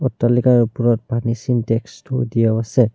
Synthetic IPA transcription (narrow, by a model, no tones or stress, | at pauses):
ɔtːalikajupuɹɔt̚bʱanisintɛkstodijaasɛ